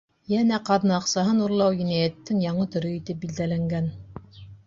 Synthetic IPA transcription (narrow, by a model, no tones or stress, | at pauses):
jænæqɑðnɤɑqsɑɦɤnuɾlˠɑwjinæjæt̪ːɘŋjɑɴɤt̪ɵ̆ɾɵit̪ɘp̚bild̪ælæŋɡæn